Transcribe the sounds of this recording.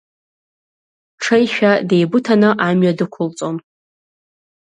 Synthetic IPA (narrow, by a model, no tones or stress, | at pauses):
ʈ͡ʂʰejʃᶣade̞jbʊtʰanɨʔamɥadɨkʷʰʊlt͡sʼon